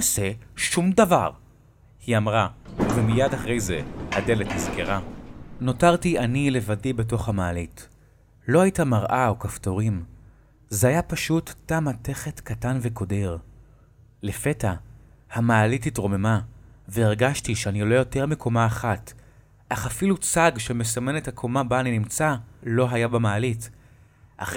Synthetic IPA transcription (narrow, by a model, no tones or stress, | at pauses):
ase̞ʃumdava̰ʁ | hiamʁavemijadaχʁe̞jze̞hade̞lethizkeʁano̞taʁtianile̞vadibe̞t̬o̞χhamaːlit | lo̞hajitamaʁʔaokafto̞ʁim | zeajapaʃutːamate̞χe̞tkatanveko̞deʁ | lefe̞ta | hamaːlititʁo̞me̞maveːʁɡaʃtiʃeanilo̞jo̞te̞ʁmikʰo̞maːχat | ʔaχafilut͡saɡʃeme̞same̞nethakʰo̞mabaːninimt͡salo̞ɦajabamaːlit | ʔa̰χ